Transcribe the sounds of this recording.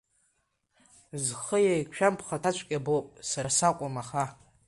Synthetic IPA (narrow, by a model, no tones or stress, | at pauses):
zχəjajʃᶣampʰχatʰat͡ʃʷʰkʲʼabowpʼsaasakʷʼamaχa